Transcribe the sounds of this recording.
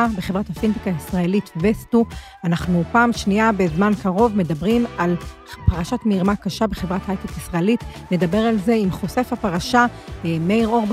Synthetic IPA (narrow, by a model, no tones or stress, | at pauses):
abe̞χevʁathafintikaisʁaelitvestu | anaχnupaːmʃniabe̞zmankaʁo̞vme̞dabʁimal | paʁaʃatmiiʁmakaʃabe̞χe̞vʁathajtekisʁaelitne̞dabe̞ʁalze̞imχo̞se̞fhapaʁaʃameiʁo̞ʁb